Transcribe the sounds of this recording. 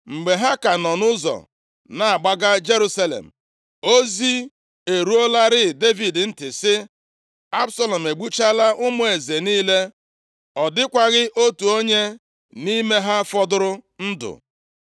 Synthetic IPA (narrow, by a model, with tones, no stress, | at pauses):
ŋ͡m̩˨ɡ͡be˨ɦa˦ka˨nɔ˨nʊ˦zɔ̰˨ | na˨a˨ɡ͡ba˦ɡa˦d͡ʒe˦ɾu˦sa˦lḛ˨m̩˨ | o˦zi˦ | e˨ɾu˦o˦la˦ɾɪ˦˨de˦vi˨dn̩˦tɪ˨sɪ˦ | a˦bsɔ˦lɔ˨m̩˨e˨ɡ͡bu˦t͡ʃa˦la˦ʔʊ˦mʊ˦e˨ze˨niː˦le˦ | ɔ˨dɪ˦kʷa˦ɣɪ˦ʔo˦tu˨o˦ɲe˦ | ni˦me˦ɦa˦fɔ˦dʊ˦ɾʊ˦n̩˦dʊ̰˨